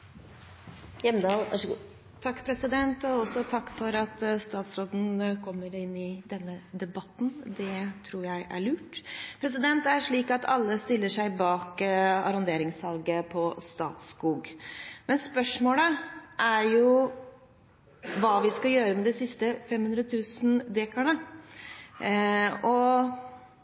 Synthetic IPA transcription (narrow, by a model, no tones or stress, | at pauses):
jɛməd̪ɑːlæʂɡ | t̪ʰɑkːpʰɾɛsɪd̪ɛnt̪ɔɔsɔt̪ʰɑkːfɔɾɑt̪st̪ɑːt̪sɾoːd̪n̩kʰɔmːəɾɪnːɪd̪ɛnːəd̪ɛbɑt̪ːn̩d̪ɛt̪ʰɾuːɾjæɪʔæ̰ɭʉːʈpʰɾɛs̬ɪd̪ɛnt̪æʂɭiːkɑt̪ʰɑlːəst̪ɪlːəʂæɪbɑːkɑ̰ɾʊnd̪eːɾɪŋshɑlɡəpʰɔst̪ɑ̰ːt̪skuːɡmɛnspœʂmoːləʔæɾjʊ | ʋɑːʋɪskɑjøːɾəmɛd̪ɛsɪst̪əfɛmːhʉnd̪ɾət̪ʰʉːsnd̪eːkɑɳə | ɔ